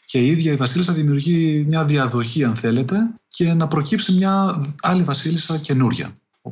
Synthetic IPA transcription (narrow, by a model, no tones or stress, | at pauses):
ce̞iðʝɐivɐsilisɐðimiuɾʝimɲɐðiɐðo̞çiɐnθe̞le̞t̪e̞ce̞nɐpɾo̞cipsimɲɐɐlivɐsilisɐce̞nuɾʝɐ̰